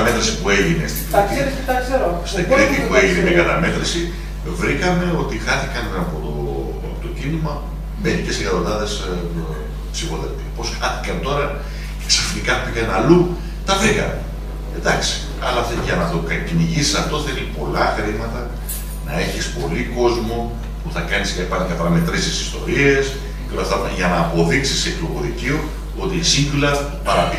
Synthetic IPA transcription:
ɐme̞t̪ɾisipue̞ʝine̞̰st̪iplt̪i | st̪eɡɾit̪ipueʝinemekɐt̪ɐme̞t̪ɾisi | vɾikɐme̞o̞t̪ixɐθikɐnɐpot̪o | ɐpot̪o̞cinimɐ | meɾicesekɐðonɐðe̞s | psifo̞ðet̪ipo̞sxɐθi̥kɐnt̪o̞ɾɐ | ceksɐfnikɐpikɐnɐlu | t̪ɐvikɐ̰n | ed̪ɐksi̥ | ɐ̰lɐft̪ʝɐnɐt̪okɐciniʝisi̥sɐft̪o̞θelipo̞lɐxɾimɐt̪ɐ | nɐe̞çispo̞liko̞zmo | puθɐkɐniscɐipɐnokɐfɐɾɐmet̪ɾesesi̥st̪o̞̰ɾie̞s | ceolɐft̪ɐʝɐnɐːpo̞ðiksisekloɣo̞ðicio̞ | o̞t̪isiŋɡulɐ | pɐɾɐpi

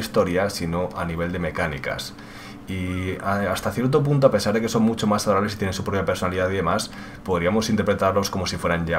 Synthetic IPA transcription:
ist̪o̞ɾjasino̞aniβ̞e̞ld̪e̞me̞kanḭka̰s | iaast̪aθjeɾt̪̬o̞p̬unt̪̬oape̞saɾðe̞ke̞so̞ŋmut͡ʃo̞masaðoɾaβle̞sit̪jenensupɾo̞pjape̞ɾso̞naliðaðiðe̞mas | po̞ðɾiamo̞sint̪eɾpɾe̞t̪aɾlo̞sko̞mo̞sifwe̞ɾaɲʎa

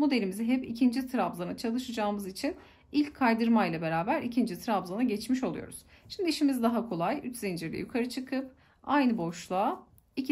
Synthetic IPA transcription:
mo̞d̪e̞lʲimizɛɦɛpicʰind͡ʒit̪ʰɾabzanat͡ʃʰalˠɯʃɯd͡ʒaːmɯzit͡ʃʰin | ilʲcʲʰːajd̪ɯɾmajlˠabe̞ɾaːbæɾicʰind͡ʒit̪ʰɾabzanaɟɛt͡ʃmiʃo̞lˠṵjo̞̰ɾuz̥ | ʃimd̪iiʃimizd̪aɦakʰo̞lˠajyt͡ʃzind͡ʒiɾlʲɛ̰jukʰaɾɯt͡ʃʰɯkʰɯp̚ | ajnɯbo̞ʃlˠaː | icʰ

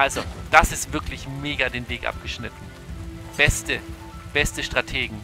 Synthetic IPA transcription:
ʔalzod̥asɪstv̥ɪɐklɪçmeːɡadeːnveːkʔa̰p̚ɡ̥əʃnɪtn̩ | b̥ɛstə | b̥ɛstəʃtʁ̥atʰeːɡŋ̩

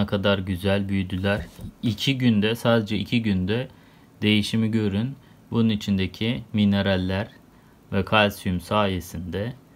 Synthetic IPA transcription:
akʰad̪aɾɟyzælʲbyjyd̪ylʲæɾ̥icʰiɟynd̪ɛsaːd̪e̞d͡ʒɛicʰiɟynd̪ɛ | d̪e̞jiʃimiɟø̞ɾyn | bununit͡ʃʰind̪ecʰimine̞ɾalʲːæɾ | vɛkʰalʲsymsaːje̞sind̪ɛ

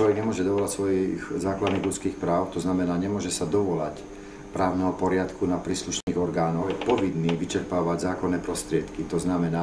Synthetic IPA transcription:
lɔʋɛɡɲɛmʊɔʒɛd̪ɔʋɔlacsʋɔjixzaːklad̪niːɣʎut͡skiːxpɾaːʊt̪ɔznamɛnaːɲɛmʊɔʒɛsad̪ɔʋɔlac | pɾaːʊnɛɦɔpɔɾɪat̪kunapɾiːsluʃniːɣɔɾɡaːnɔjɛpɔʋinːiːʋit͡ʃɛɾpaːʋaɟzaːkɔnːɛːpɾɔst̪ɾɪɛt̪kit̪ɔznamɛnaː

